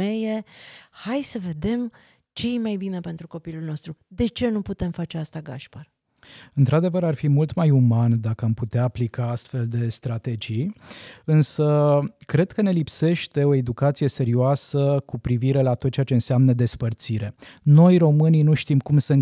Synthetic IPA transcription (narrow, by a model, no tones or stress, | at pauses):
e̞je̞hajsəve̞d̪e̞m | t͡ʃe̞jemajbinepe̞nt̪ɾuko̞pilulno̞st̪ɾud̪e̞t͡ʃe̞nuput̪e̞mfat͡ʃeast̪aɡaʃpar | ɨnt̪ɾad̪e̞vəɾarfimult̪majumand̪akəamput̪eaːplikaast̪fe̞ld̪e̞st̪ɾat̪e̞d͡ʒijɨnsəkɾe̞d̪kəne̞lipse̞ʃt̪e̞o̞e̞d̪ukat̪sije̞se̞ɾioasəkupɾiviɾe̞lat̪ot̪̚t͡ʃeat͡ʃe̞ɨnseamnəd̪e̞spərt̪siɾe̞no̞jro̞mɨninuʃt̪imkumsən